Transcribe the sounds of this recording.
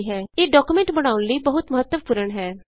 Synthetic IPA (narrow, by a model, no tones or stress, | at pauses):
ɦɛːeːɖɔːkuːmẽɳʈbəɽ̃aːʊnləiːbəɦʊt̪məɦət̪ːəmpʊɾəɳɦɛː